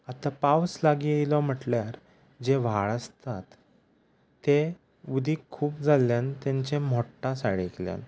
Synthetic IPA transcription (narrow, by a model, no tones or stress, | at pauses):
at̪apawslaɡiːəjlɔm̤əʈljaɾ | d͡ʑeʋ̤aɭəst̪at̪ː | e | ʋud̪ʱiːkʰːuːpd͡zaljant̪jaɲt͡ɕem̤ɔʈːãsaɭiklja̰n